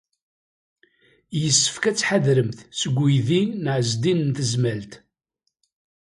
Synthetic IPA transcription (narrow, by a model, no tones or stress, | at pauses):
jəsːə̥fkæt͡sːħaðɾəmθsəɡʷːijðinəʕəzd̪innt̪əzmælt̪